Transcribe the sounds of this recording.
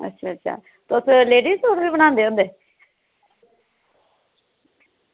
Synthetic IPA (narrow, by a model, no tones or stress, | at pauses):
ə̰tːʃʰaːətːʃʰa̰ː | t̪ʊsleːɖisoɾiməñãːnd̪eːɦõnd̪e